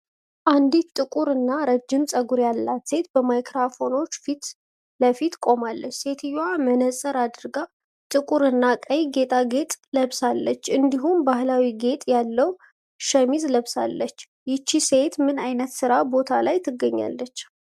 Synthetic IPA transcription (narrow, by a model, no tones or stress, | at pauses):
ʔand̪it̪t̪ʼɨkʼuɾɨnːaɾəd͡ʒːɪmsʼəɡuɾjalːat̪se̞t̪bəmajkɾafo̞no̞t͡ʃːfit̪ | ləfit̪kʼo̞malːət͡ʃːse̞t̪ʰɨjamənəsʼəɾad̪ɨɾɡa | t̪ʼɨkʼuɾɨnːakʼəjɡe̞t̪ʼaɡe̞t̪ʼləβsalːət͡ʃːɨnd̪iɦumbahlawiɡe̞t̪ʼjalːəw | ʃəmizləβsalːət͡ʃː | jɪt͡ʃːise̞t̪mɨnajnət̪sɨɾabo̞t̪ʰalajt̪ʰɨɡːəɲːa̰lːət͡ʃː